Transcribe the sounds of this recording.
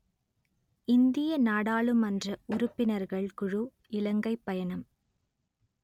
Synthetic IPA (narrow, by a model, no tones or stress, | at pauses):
ɪnd̪ɪjɐnaːɽaːɭɯmɐndrɐʊɾʊpːɪnɐɾɣɐɭkʊɻu | ɪlɐŋɡɐɪpːɐjɐnɐm